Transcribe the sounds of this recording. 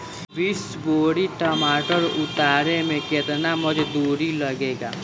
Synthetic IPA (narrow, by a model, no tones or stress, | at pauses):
bis | boːɽiʈəmaːʈəɾʊt̪aːɾemẽket̪naməd͡ʒd̪uːɾiləɡeːɡaː